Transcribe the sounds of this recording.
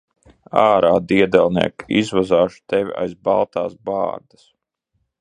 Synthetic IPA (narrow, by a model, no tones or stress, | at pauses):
aːɾaːd̪iɛd̪ɛlˠnḭɛkizvazaːʃu̥t̪ɛvʲia̰jzbalˠt̪a̰ːsba̰ːɾd̪as